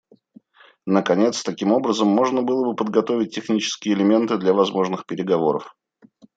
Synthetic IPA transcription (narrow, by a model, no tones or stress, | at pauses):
nəkɐnʲe̞t̪st̪ɐkʲimo̞bɾəzəmːo̞ʐnəbɨlˠəbɨpəd̪ɡɐt̪o̞vʲɪt̚ʲːɪxnʲit͡ɕɪ̥skʲɪjəɪlʲɪmʲe̞nt̪ɨd̪lʲavɐzmo̞ʐnɨxpʲɪɾʲɪɡɐvo̞ɾəf